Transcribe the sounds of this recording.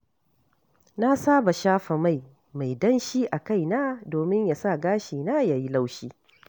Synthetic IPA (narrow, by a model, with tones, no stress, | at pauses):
na˦saː˦ba˨ʃaː˦ɸa˨ma˦˨j | ma˨jdɐ˦nʃiː˦ʔa˨ka˦jna˦doː˨mɪ˦ɲja˨sa˦˨ɡaː˦ʃiː˨naː˦ja˨ji˦la˦wʃiː˦